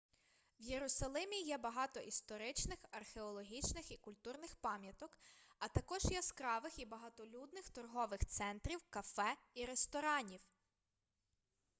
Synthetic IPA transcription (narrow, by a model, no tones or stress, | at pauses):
wjeɾʊsɐlˠɪmʲijɛbɐɦɑt̪ɔʔist̪ɔɾɪt͡ʃnɪxɐrxeɔlˠɔɦʲit͡ʃnɪxikʊlʲt̪urnɪxpɑmʲjɐt̪ɔkɐt̪ɐkɔʒjɛskɾɑʋɪxibɐɦɐt̪ɔlʲud̪nɪxt̪ɔrɦɔʋɪxt̪sɛnt̪ɾʲiwkɐfɛiɾest̪ɔɾɑnʲiw